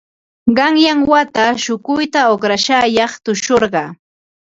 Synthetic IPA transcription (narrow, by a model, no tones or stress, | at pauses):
ɢɑŋjaŋwat̪aʃʊkʊjt̪aoχɾaʃajɑχt̪ʊʃoɾɢɑː